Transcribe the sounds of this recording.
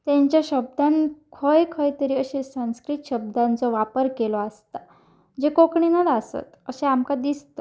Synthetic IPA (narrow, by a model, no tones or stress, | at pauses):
t̪ãɲt͡ɕjaɕəb̚d̪ankʰəjkʰəjt̪əɾiːəɕesãnskɾit̪ɕəb̚d̪ãnt͡sɔʋapəɾkelɔast̪a | d͡ʑekokɳinəd̪asə̰t̪əɕeamkad̪ist̪ɔ